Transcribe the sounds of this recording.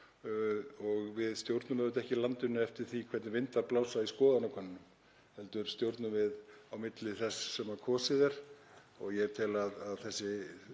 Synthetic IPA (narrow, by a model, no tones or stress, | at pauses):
ɔɣvɪðst̪jowɾt̪nʏmhɛvʏt̪ɛhcɪlant̪ʏnːʏɛft̪ɪɾ̥θikʰvɛɾt̪nɪvɪnt̪vaɾplawsaiskɔːðanawkʰvɛnːɪnʏm | hɛlt̪ʏɾ̥st̪jowɾt̪nʏmvɪðawmɪt̪lɪθɛsːɛmakʰɔːsɪðɛɾ̥ | ɔɣjɛt̪ʰɪlaðaðθɛsːɪ